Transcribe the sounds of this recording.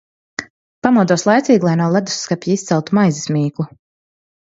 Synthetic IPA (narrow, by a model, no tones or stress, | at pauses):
pamuɔd̪uɔslˠajt̪sʲiːɡlˠajnuɔlˠad̪u̥sːkapʲjiist̪sɛlˠt̪umajzismʲiːklˠu